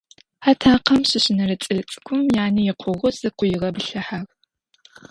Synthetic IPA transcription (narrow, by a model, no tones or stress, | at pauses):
ħatʰaːqɐmɕɪɕɪnɐɾɨt͡sʼɨɮɨt͡sʼɨ̥kʷʰʊmjaːnijɪqʷʰʊʁʷʊzɨqʷʊjɪʁɐbɨɬɐħaʁ